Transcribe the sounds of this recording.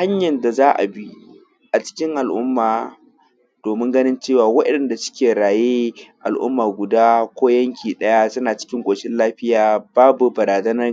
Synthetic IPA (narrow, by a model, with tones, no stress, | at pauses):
ha˦ɲjɐ˨nda˨zaː˦ʔa̰˨bi˦ | ʔa˨t͡ʃɪ̥˦kʲɪ˦ŋʔa˨lʔʊ̰˦mːaː˨ | d̥oː˨mɪ˦ŋɡɐ˦nɪ˦nt͡ʃeː˦˨waː˨wɐ˦ɗɛ˨nda˨sʊ̥˦kʲeː˨ɽaː˨jeː˦ʔa˨lʔʊ̰˦mːaː˨ɡʷʊ˨daː˦kʷoː˦jɐ˦ŋkʲʰiː˨ɗɐ˦ja˦sɐ˦naː˨t͡ʃɪ̥˦kʲɪ˦ŋkʷʼoː˨ʃɪ˦nlaː˦ɸɪ˦jaː˨baː˦bu˨bɐ˨ɾaː˨zɐ˦nɐ˦r